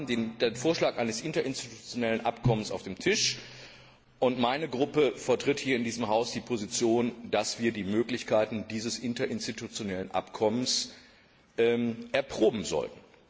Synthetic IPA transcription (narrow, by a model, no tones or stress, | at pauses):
m̩dendenfoːɐʃlaːkʔaɪnəsʔɪntɐʔɪnstitu̥t͡sjonɛlənʔa̰pkʰɔmənsa̰ʊfd̥eːmtʰɪʃ | ʔʊntmaɪnəɡʁʊpəfɛɐtʁ̥ɪthiːɐɪndiːzəmɦaʊsd̥iːpʰozit͡sjoːnd̥asv̥iːɐdiːmøːklɪçkʰaɪtn̩diːzəsʔɪntɐʔɪnstitut͡sjonɛlənʔa̰pkʰɔməns | ʔɛːʔɛɐpʁ̥oːbm̩zɔ̰ltn̩